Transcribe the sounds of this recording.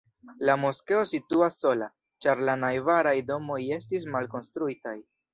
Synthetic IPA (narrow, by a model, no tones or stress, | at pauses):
lamo̞ske̞o̞situasːo̞la̰ | t͡ʃaɾlanajvaɾajdo̞mo̞je̞stis̬malko̞nstɾuitaj